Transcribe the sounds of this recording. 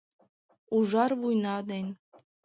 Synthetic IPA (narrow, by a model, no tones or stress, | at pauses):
uʐɑrβujnɑd̪enʲ